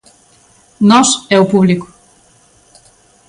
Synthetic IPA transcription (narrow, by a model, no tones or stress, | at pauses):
nɔsɛwpuβliku̥